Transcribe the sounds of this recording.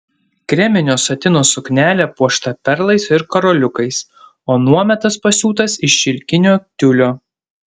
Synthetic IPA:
kɾʲɛmʲɪnʲoːsɐt̪ʲɪnoːsʊknʲæːlʲɛpuɔʃt̪ɐpʲɛɾlˠɐɪsɪɾkɐɾɔlʲʊkɐɪs | oːnuɔmʲɛt̪ɐspɐsʲuːt̪ɐsɪʃʃʲɪlʲkʲɪnʲoːk̚t̪ʲʊlʲoː

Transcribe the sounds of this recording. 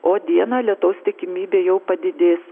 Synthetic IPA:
oːd̪ʲiɛnɐːlʲiɛt̪ɐʊst̪ʲɪkʲɪmʲiːbʲeːjɛʊpɐd̪ʲɪd̪ʲeːs

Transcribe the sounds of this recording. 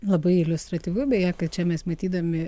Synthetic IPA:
lˠɐbɐɪɪlʲʊst̪ɾɐt̪ʲiːʋʊbʲɛjækɐtt͡ʃʲɛmʲɛsmɐt̪ʲiːd̪ɐmʲɪ

